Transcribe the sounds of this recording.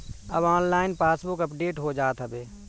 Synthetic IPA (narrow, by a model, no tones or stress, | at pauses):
ɐbaːnlaːɪnpaːsbʊkɐpɖeːʈɦod͡ʒaːt̪ɦəbeː